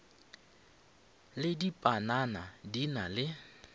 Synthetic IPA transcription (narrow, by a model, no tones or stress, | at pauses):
lɪdipʼananadinalɪ